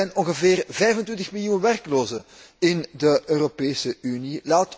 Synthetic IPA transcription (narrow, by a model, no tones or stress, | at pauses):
ɛjnɔŋɣəveːrvɛjvəntwɪntəxmiljuːnʋɛrkloːzə | ɪndəʔøːropeːsəynilaːt